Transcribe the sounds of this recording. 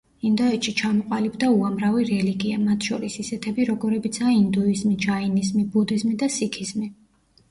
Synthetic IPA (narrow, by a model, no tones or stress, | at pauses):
ind̪ɔɛt̪ʃit͡ʃʰamɔqʼalibd̪auamɾaviɾɛliɡiamat̪ʰʃɔɾisisɛt̪ʰɛbiɾɔɡɔɾɛbit̪sʰaːind̪uizmid͡ʒainizmibud̪izmid̪asikʰizmi